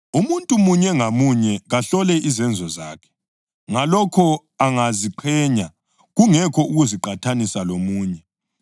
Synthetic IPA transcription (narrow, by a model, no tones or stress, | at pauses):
umuntʼumuɲɛŋamuɲɛɣaɬɔlɛʔizɛnd͡zʱɔzaːkʰɛ̥ | ŋalɔkʰɔ | aŋaziǃʰɛɲa | ɣuŋɛkʰɔuɣuziǃatʰanisalomuːɲɛ